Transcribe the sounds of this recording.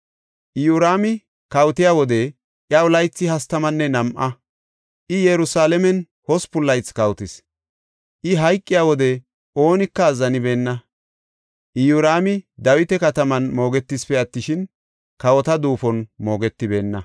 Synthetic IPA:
ʔɪjuɾaːmɪ | kɐwt̪ɪjaːwɔd̪ɛ | ʔjɐʊlɐjt͡sːɪhɐst̪ɐmɐnːɛnɐmʔɐ | ʔɪjɛɾʊsaːlɛmɛn | hɔspʊlːɐjt͡sːkɐwt̪ɪs | ʔɪɦɐjkʼːɪjaːwɔd̪ɛ | o̞ːnɪkːɐːzːɐnɪbe̞ːnːɐ | ʔɪjuɾaːmɪd̪ɐwɪt̪ɛkɐt̪ɐmɐnmo̞ːɡɛt̪ːɪspɛɐt̪ːɪʃɪn | kɐwɔt̪ɐd̪uːfɔnmo̞ːɡɛt̪ːɪbe̞ːnːɐ

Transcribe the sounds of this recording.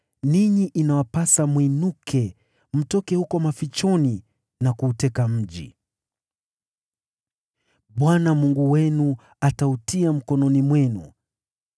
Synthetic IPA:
niɲiʔinawapasamwinukʰɛ | m̩tɔkɛhukɔmafit͡ʃɔni | nakuːtɛkam̩ʄḭ | ɓwanamuŋɡuwɛnu | atautiam̩kɔnɔnimwɛnṵ

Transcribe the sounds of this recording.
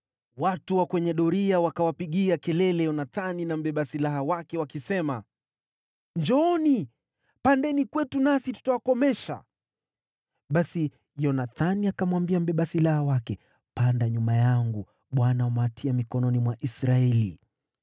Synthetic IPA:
watuwakwɛɲɛɗɔɾiawakawapiɠiakɛlɛlɛjɔnaθaninam̩ɓɛɓasilaɦawakɛwakisɛma | ɲd͡ʒɔni | pandɛnikwɛtunasitu̥tawakɔmɛʃa̰ | ɓasi | jɔnaθaniakamwambiam̩ɓɛɓasilahawakɛ | pandaɲumajaŋɡu | ɓwanaamatʰiamikɔnɔnimwaʔisɾaɛlḭ

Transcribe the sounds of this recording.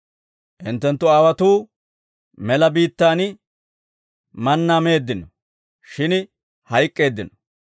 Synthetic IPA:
ʔɪnt̪ːɛnt̪ːʊaːwɐt̪uː | mɛlɐbiːt̪ːaːn | mɐnːame̞ːd̪ːɪnɔ | ʃɪn | hɐjkʼːe̞ːd̪ːɪnɔ

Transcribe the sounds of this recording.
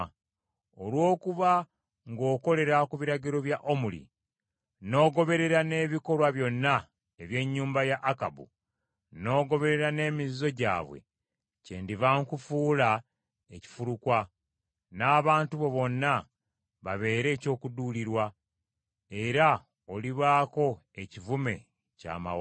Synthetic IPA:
olwo̞ːkuβa | ŋɡo̞ːko̞le̞ɾakuβiɾaɟiɾo̞βjaʔomulḭ | no̞ːɡo̞βe̞ɾe̞ɾane̞ːβiko̞lwaβjo̞nːa | eβje̞ɲːuːmbajaʔːka̰bṵ | no̞ːɡo̞βe̞ɾe̞ɾane̞ːmizzo̞ɟa̰ːβwḛ | cḛːndiβaŋkufuːla | eci̥fuɾukwa | naːβaːntuβo̞βo̞nːa | βaβe̞ːɾe̞ːco̞ːkuduliɾwa | e̞ɾa | oliβaːko̞e̞civume̞ | ca̰ːma̰w

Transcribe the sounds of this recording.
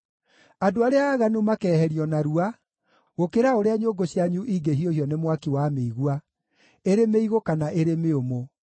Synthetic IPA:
adoaɾeaːɣanumakɛːhɛɾiɔnaɾua | ɣokeɾaoɾeaɲoɡoɕiaɲuʔiɡeɦiohiɔnemwakiwameiɣwa | eɾemeiɣokanaʔeɾemeomo

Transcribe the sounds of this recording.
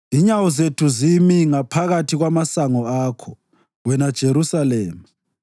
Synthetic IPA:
iɲawɔzetʰuzimiŋapʰaɣatʰiɣwamasaŋɔaːkʰɔ | wɛnad̥ʒ̥ʱeɾusalɛːma

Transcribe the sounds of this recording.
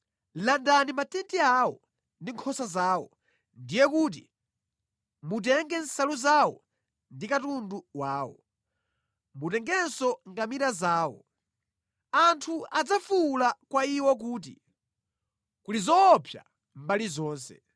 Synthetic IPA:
landanimatɛntiaːwɔ | ndiŋkʰɔsazaːwɔ | ndijɛk̬uːt̬ḭ | mut̬ɛŋɡɛn̩saluzawɔ | ndikatunduwaːwɔ̰ | mutɛŋɡɛnsɔŋɡamiɾazaːwɔ̰ | antʰuad͡zafulakwaiwɔk̬uːt̬ḭ | kulizɔːpʰja̰ | mbalizɔːnsɛ

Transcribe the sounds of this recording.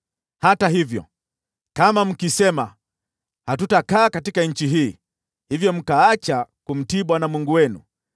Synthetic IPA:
hataɦivjɔ̰ | kamam̩kisɛma̰ | hatutakaːkatikaɲ̩t͡ʃiɦiː | hivjɔm̩kaat͡ʃakum̩tiɓwanamwuŋɡuwɛnṵ

